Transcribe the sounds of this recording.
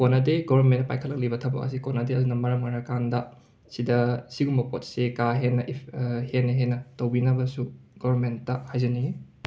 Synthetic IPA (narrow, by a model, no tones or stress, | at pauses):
konɐdeɡobɐment̚pa̰jkʰɐlːɐk̚libɐtʰɐbɐ̰kɐ̰sikonɐdeɐdunɐmɐɾɐmŋaɾakandɐ | sidɐsiɡumbɐpo̰t̚sekaɦenːɐʔihenːɐɦenːɐtowbinɐbɐsuɡ̥obɐɾmentːɐhajzɐniŋi